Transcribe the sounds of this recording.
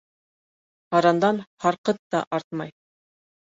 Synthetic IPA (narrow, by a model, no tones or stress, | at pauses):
ɑɾɑnd̪ɑnhɑɾqɤt̪ːɑʔɑɾt̪̚mɑj